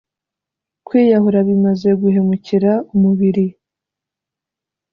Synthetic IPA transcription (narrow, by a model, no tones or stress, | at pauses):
kwiːjaɦuɾaβimaze̞ɡuɦe̞muciɾaumuβiɾi